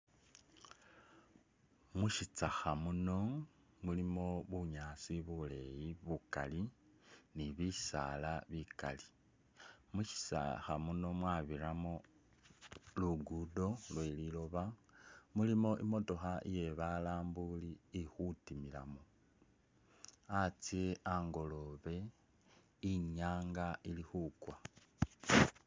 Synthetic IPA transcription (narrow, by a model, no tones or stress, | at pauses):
muʃit͡saxamuno̞ | mulimo̞βuɲaːsiβule̞jiβuka̰li | niβisa̰laβika̰li | muʃi̥t͡sa̰xamuno̞mwaːβiɾamo̞ | luɡudo̞lwe̞lilo̞βamulimo̞ʔimo̞to̞xaʔḭjeβalaːmbuliːxutimila̰mo | at͡sie̞ʔaŋɡo̞lo̞βe̞ | iɲaːŋɡaʔilixukwa